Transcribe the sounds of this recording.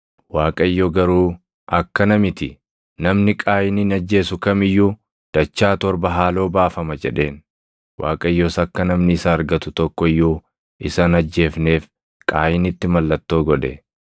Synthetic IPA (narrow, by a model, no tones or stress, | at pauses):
waːkʼɐɪjːoɡɐɾuː | ʔɐkːɐnɐmɪt̪ɪ | nɐmnɪkʼaːjɪnɪnɐd͡ʒːe̞ːsʊkɐmɪjːuː | d̪̥ɐt͡ʃːaːt̪ɔɾbɐɦaːlo̞ːbaːfɐmɐd͡ʒɛ̰ᶑe̞ːn | wʔa̰ːkʼɐɪjːoːsɐkːɐnɐmnɪɪsɐɐɾɡɐt̪ʊt̪ɔkːɔɪjːuː | ɪsɐnɐd͡ʒːe̞ːfne̞ːf | kʼaːjɪnɪt̪ːɪmɐlːɐt̪ːo̞ːɡɔᶑ̪ɛ